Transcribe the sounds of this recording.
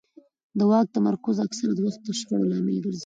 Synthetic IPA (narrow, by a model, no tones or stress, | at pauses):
d̪əwɑk̚t̪amaɾkʊzaksaɾad̪waxt̪ːəʃɾəɽolɑmḛlɡəɾzi